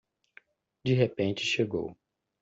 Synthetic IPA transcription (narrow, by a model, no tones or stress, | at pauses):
d͡ʒiɦepẽnt͡ʃɪ̥ʃeɡo̰w